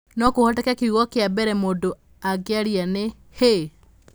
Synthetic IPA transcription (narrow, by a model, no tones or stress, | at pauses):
nɔkohɔtɛkɛkeuɣɔkeabɛɾɛmodo | aɡeaɾiane | he